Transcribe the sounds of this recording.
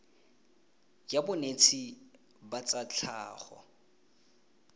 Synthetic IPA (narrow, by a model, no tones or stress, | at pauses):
jabʊnet͡sʰi | bat͡sat͡ɬʰaːχɔ̰